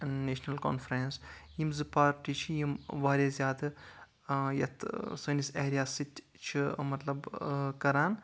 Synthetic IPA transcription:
neːʃnɐlko̰ːnfɾensjimzɨpaːɾʈit͡ʃʰijimʋaːɾʲeːzʲjaːd̪ɨ | jɐt̪ʰsɨːniseɦɾʲjaːsit̪ʲ | t͡ʃʰimɐt̪lɐbkɐɾaːn

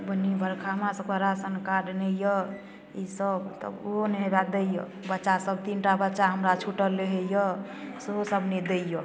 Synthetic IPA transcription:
bənːibəɾkʰaɦmãsəkəɾasənkaɖnəjə | isəbt̪ɔ̰oɦonɦeɾad̪ejə̰ | bətːʃasəbt̪inʈabətːʃaɦəmɾat͡ʃʰuʈəlːeɦejəsɦosəbʱned̪ejɔ

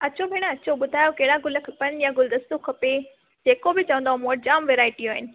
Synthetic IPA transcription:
ɐt͡ɕʰobʱɪɽ̃əɐt͡ɕʰoɓʊd̪ʱaːjokɐɦɪɽaɡʊləkʰɐpənjãɡʊld̪ɐst̪ukʰɐpe | d͡ʑeːkobɪt͡ɕɐʋə̃nd̪aɦũmoəʈ̚d͡ʑaːmʋeːɾaːɪʈiaːɦɪnɪ̆

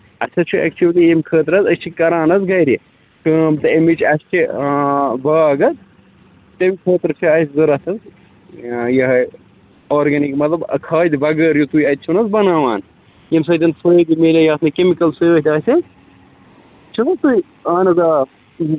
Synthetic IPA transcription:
ɐ̰sʲʰɐt͡ʃʰuʔɛ̰k̚t͡ʃʰuʋɐlijemkʰəːt̪ɾɐzɐst͡ʃʰikɐɾãːnɐzɡɐjɾi | kəːmt̪ɐemit͡ʃʰɐst͡ʃʰi | baːɡɐt̪̚ | t̪ɐmʲikʰəːt̪ɾt͡ʃʰiɐsʲzɐɾɐt̪ʰɐz | jɐɦɐ | oːɾɡɐnikmɐt̪lɐb̰kʰaːd̪ʲibɐɡəɾjut̪ujɐt̪̚ʲt͡ʃʰunɐzbɐnaːʋaːn | jems̬ɐːd̪ɐnsojd̪imelʲɐjaːt̪nɐkemikɐlsojoːt̪ʲɐːsʲɐ | t͡ʃʰinɐt̪ui | aːnɐza

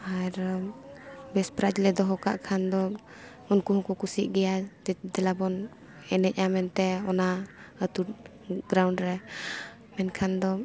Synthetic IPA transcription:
aɾ | bɛspɾad͡ʒlɛd̪ɔɦɔka̰ʔkʰand̪ɔ | unkuɦɔ̃kɔkusiʔ̚ɡɛjad͡ʒɛd̪ɛlabɔn | ɛnɛc̚ˀamɛnt̪ɛɔnaət̪ut̚ | ɡɾawɳɖɾɛ | mɛnkʰand̪ɔ

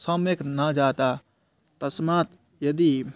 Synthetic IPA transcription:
sɔmeknad͡ʒaːt̪a | t̪ɐsmaːt̪ | jɐd̪i

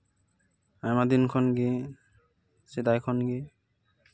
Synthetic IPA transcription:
ajmad̪inkʰɔnɡe | sid̪ajkʰɔnɡe

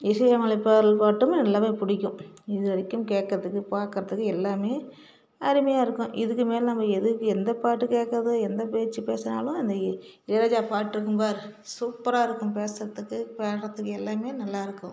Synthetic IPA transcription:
ɪʂɐjaːŋɐɭɐpːaːɾɐlpaːʈːɯmnɐlːaːmeːpʊɽɪkʲːʊ̃ɪðɯɐɽɪkːɯmkeːkːɐɾɐðɯkːɯpaːɾkɪɾɐt̪ɯkːɯɛlːaːmeː | ɐɾɯmɐjaːɪɾɯkːʊ̃ʔɪðɯkːɯmeːlnɐmːɐɛðɯkːɯɛnd̪ɐpaːʈːɯkeːkːɐɾɐðɯɛnd̪ɐpeːɾt͡ʃːɯpeːsɐna̰ːlʊ̃ɐnd̪ɐ | ɪlɐɾaːd͡ʒaːpaːʈːɪɾɯk̬ːɯmpaːɾɯsuːpːɐɾaːɪɾɯkːɯ̃mpeːsɾɐt̪ɯkːɯpeːɾɐt̪ːɯkːɯɛlːaːmeːnɐlːaːɪɾɯkːʊ̃

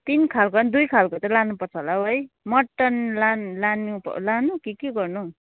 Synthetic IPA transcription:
t̪inkʰalkoʌnd̪ujkʰalkot͡sʌlanupʌrt͡sʰʌlaɦoj | mʌʈːʌnlanlanupʌ̰lanukikeɡʌrnu

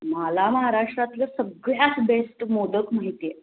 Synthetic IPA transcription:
malaməɦaɾaʂʈɾat̪ləsəɡɭjasbesʈmod̪əkmaɦit̪e

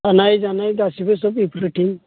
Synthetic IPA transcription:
anajd͡ʒanajd̪asibesɔbipʰɾuʈiŋ

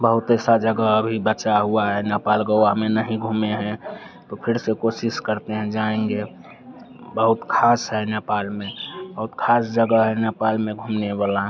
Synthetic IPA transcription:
bəɦʊt̪ɛːsad͡ʒəɡəəbʱibət͡ʃaɦuaɦɛnepaːlɡəwamenəɦĩɡʱumeɦɛ̃t̪opʰɪɾsekosɪskəɾt̪eɦɛ̃d͡ʒaẽŋɡe | bəɦʊt̪kʰaːsɦɛnepaːlmẽbəɦʊt̪kʰaːsd͡ʒəɡəɦɛnepaːlmẽɡʱumnewalaɦ

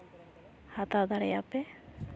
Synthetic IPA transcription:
hat̪ad̪aɽɛjape

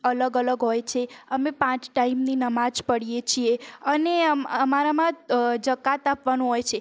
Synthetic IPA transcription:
ələɡələɡɦojt͡ʃʰeəmẽpãt͡ʃʈaimninəmad͡ʒpəɽijet͡ʃʰieəneəmaɾamãd͡ʒəkat̪apʋanũɦojt͡ʃʰe

